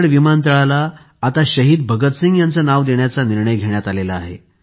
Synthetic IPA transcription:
ɽʋimant̪̬əɭalaː | t̪aɕəɦiːd̪bʱəɡət̪siŋɡjant͡sanaʋd̪eɳjat͡saniɾɳəjɡʱeɳjat̪alelaːɦḛ

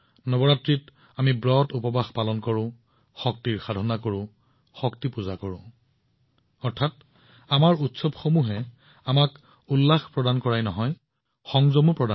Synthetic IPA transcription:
nɔbɔɹatɹit | amibɹɔtupɔbaxpalɔnkɔɹʊ̃ | xɔk̚tiɹxadʱɔnakoɹʊ̃ | xɔktipuzakoɹʊ̃ | ɔɹtʰat | amaɹutsɔbxomuɦɛ | amak | ulːaxpɹɔdankɔɹajnɔɦɔj | xɔŋzɔmupɹɔda

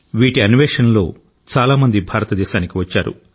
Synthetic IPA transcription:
ʋiːʈiɐniʋeːʂɐnlo̞ː | t͡ʃaːlaːmɐnd̪ibʱaːɾɐt̪ɐd̪ɛːʃaːnikiʋɐt͡ʃːaːɾṵ

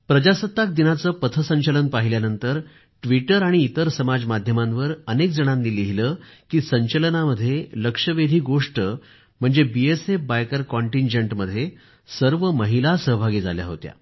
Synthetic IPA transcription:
pɾəd͡ʑasət̪ːak̚d̪inat͡səːpət̪ʰəsəɲt͡ɕələnpaɦiljanənt̪əɾ | ʈʋiʈəɾaɽ̃iːt̪əɾsəmad͡zmad̪ʱjəmãnʋəɾənekd͡zəɽ̃anːiːliɦiləːkiːsəɲt͡ɕələnaməd̪ʱːjeləkʂəʋed̪ʱiːɡoʂʈə | m̤əɳd͡zebiesefbajkəɾkɔɳʈiɲd͡ʑeɳʈməd̪ʱːje | səɾʋəməɦilasəɦbʱaɡiːd͡za̰lja̰ɦot̪ja̰

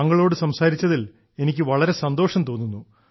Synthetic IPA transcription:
ɐŋːɐɭo̞ːɽɨsɐmsaːɾit͡ɕːɐðil | e̞nikʲːɨʋɐɭɐɾe̞sɐnd̪o̞ːʂɐmt̪o̞ːnːunːu

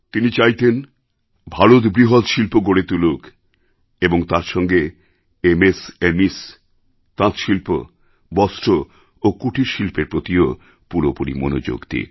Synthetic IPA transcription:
t̪init͡ɕajt̪en | bʱaɾud̪bɾiɦod̪ʃilpoɡoɽet̪uluk | eboŋt̪ãɾʃɔŋɡe | emesemis | t̪ãt̪ʃilpo | bɔsʈɾo | okuʈʰiɾʃilpeɾpɾot̪io | puɾopuɾḭmo̰no̰d͡ʑo̰ɡt̪ḭ

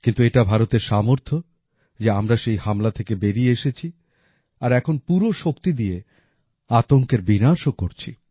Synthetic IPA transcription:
kint̪ueʈabʱaɾot̪eɾʃamoɾt̪ʰo | d͡ʑeamɾaʃejhamlat̪ʰekebeɾieeʃet͡ɕʰi | aɾɛkʰonpuɾoʃokt̪id̪ije | at̪oŋkeɾbinaʃokoɾt͡ɕʰḭ

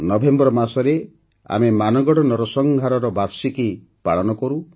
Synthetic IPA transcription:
nɔbʱembɾɔmasɔɾe | a̰memanɔɡɔɽɔnɔɾɔsɔŋɡʱaɾɔɾɔbaɾsiki | paɭɔnɔkɔɾu

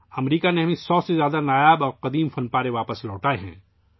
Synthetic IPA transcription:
ɐmɾiːkaneɦɐmẽsɔːsezjaːd̪anaːjaːbɔːɾqɐd̪iːmfɐnpaːɾeʋaːpəslɔːʈaːeɦɛ̰̃ː

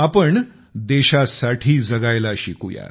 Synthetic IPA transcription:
apəɳ | d̪eɕasaʈʰiːd͡zəɡajlaɕikuja̰

